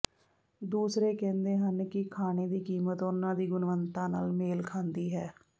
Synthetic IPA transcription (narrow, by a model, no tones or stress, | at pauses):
d̪uːsɾeːkɛ̃ːnd̪eːɦənkɪkʰaːneːd̪iːkiːmət̪ʊnːãːd̪iːɡʊnʋənt̪ãːna̰ːlmeːlkʰãːnd̪iːɦɛː